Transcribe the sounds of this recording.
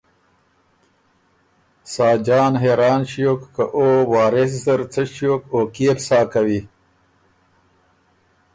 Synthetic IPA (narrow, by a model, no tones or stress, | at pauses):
saːd͡ʑaːnɦeːɾaːnɕijoːkːɐʔoːwaːɾes̬zɐɾt͡sɐɕjoːkoːkeːpsaːkawi